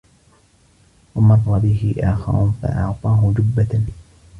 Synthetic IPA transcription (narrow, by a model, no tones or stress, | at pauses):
wamɑrˤːɑbɪɦɪʔaːxa̰ɾʊ̰nfa̰ʔɑʕt̪ˤɑːɦʊd͡ʒʊbːa